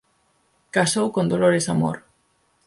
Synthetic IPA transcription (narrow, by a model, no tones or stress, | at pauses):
kasowkond̪oloɾesamo̰ɾ